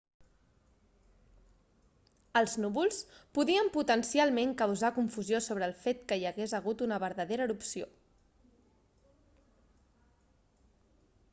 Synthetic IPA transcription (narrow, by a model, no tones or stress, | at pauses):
əlˠznuβulˠspuðiəmput̪ənsialˠmeŋkəwzakuɱfuzjosoβɾəːlˠfet̪̚kəjəɣezəɣut̪unəβəɾðəðeɾəːɾupsio̰